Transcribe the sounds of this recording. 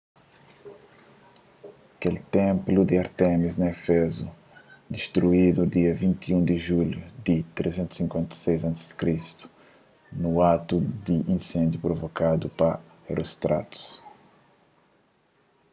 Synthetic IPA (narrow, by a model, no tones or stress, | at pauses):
ɐkelt̪ẽmplud̪iaɾt̪ɛmiznɐefɛzu | d̪iʃt̪ɾuid̪ud̪iɐvĩnt̪iũd̪iʒuljud̪it̪ɾezẽnt̪u̥sĩŋkwẽnt̪ɐ̥sejzɐ̃nt̪ɪzd̥̪kɾist̪u̥ | nuat̪ud̪iʔĩnsẽnd̪jupɾovokad̪upɐ | rust̪ɾa̰t̪u̥s